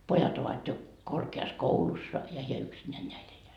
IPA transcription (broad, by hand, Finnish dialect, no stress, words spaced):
pojɑt oʋɑt jo korkeɑskoulusːɑ jɑ heæ yksinːæːn næi elːeæ